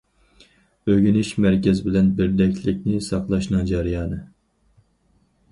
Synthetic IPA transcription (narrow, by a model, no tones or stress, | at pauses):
øɡʲynɪʃmæɾkʲɛzɪbɪlɛnbɪɾd̪ɛkʲlɪkʲnɪsɑqlˠɑʃnɨŋd͡ʒɑɾijɑːnɨ